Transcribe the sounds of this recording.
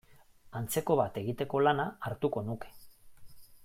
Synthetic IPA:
ant͡se̞ko̞βat̪e̞ɣit̪e̞ko̞lanaːɾt̪uko̞nuke̥

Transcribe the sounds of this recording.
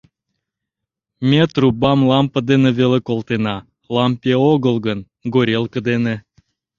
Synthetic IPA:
mʲet̪rubɑmlɑmpəd̪enevelekolˠt̪enɑ | lˠɑmpʲeoɣəlˠɡən | ɡoɾʲelˠkə̆d̪enĕ

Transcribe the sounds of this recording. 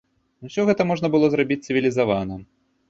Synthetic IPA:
uwsʲɔɣɛt̪ɐmɔʐnɐbɨlˠɔzɾabʲit͡sʲsɨvʲilʲizavanɐ

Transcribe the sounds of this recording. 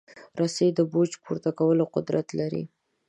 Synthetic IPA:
ɾased̪əbod͡ʒpʰuɾt̪akawəloqʊd̪ɾat̪laɾḭ

